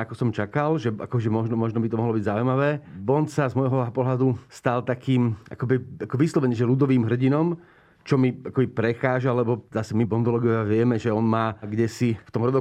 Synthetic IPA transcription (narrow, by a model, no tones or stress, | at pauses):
akɔsɔmt͡ʃakalʒɛa̰kɔʒɛmɔʒnɔmɔʒnɔbit̪ɔmɔɦlɔbiɟzaujmaʋɛːbɔnsazmɔjɦɔpɔɦlad̪ust̪alt̪akiːmʔa̰kɔbiakɔʋislɔʋɛɲɛʒɛlud̪ɔʋiːmɦr̩ɟinɔm | t͡ʃɔmiakɔbipɾɛxaːʒalɛbɔzasɛmibɔnd̪ɔlɔːɡɔʋaʋɪɛmɛʒɛɔnmaːɡɟɛsift̪ɔmɦɾɔd̪ɔ